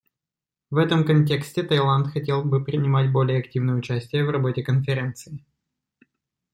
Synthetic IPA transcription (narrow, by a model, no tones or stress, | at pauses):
vɛt̪əmkɐnʲtʲe̞ksʲtʲɪt̪ɐjlˠant̪xɐtʲe̞lˠbɨpɾʲɪnʲɪmatʲbo̞lʲɪjəɐktʲivnəjəʊt͡ɕæsʲtʲɪjəvrɐbo̞tʲɪkənfʲɪɾʲe̞nt̪sɨɪ